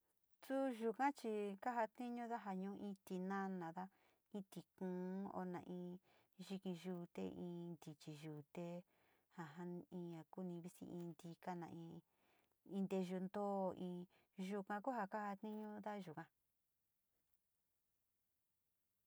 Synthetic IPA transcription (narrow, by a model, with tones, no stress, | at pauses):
su˦ʒu˧kã˦t͡ʃi˧ka˦ɦa˧t̪nĩ˦ɲũ˦ða˦ɦa˧ɲũ˧˦ʔĩ˧˦t̪i˧nã˦nã˨ða˦ | ĩ˦t̪i˧kũ˨˦o̰˧nã̰˧˨ʔĩː˧ | ʒi˧kĩ˧ʒu˧t̪ḛ˦ʔĩː˧nd̪i˨t͡ʃi˨ʒuː˨t̪e˦ | ha˨ɦa˦ĩ˧ã˧ku˦nĩ˧βi˦sḭ˧ʔĩ˧nd̪i˧ka˦nã˧˨ʔĩ˧ | ĩ˧nd̪e˧ʒu˧nd̪o˦˨ʔĩ˧ | ʒu˧kã˧ku˦ɦa˧ka˦ha˧t̪nĩ˦ɲũ˦ða˦ʒu˨kã˧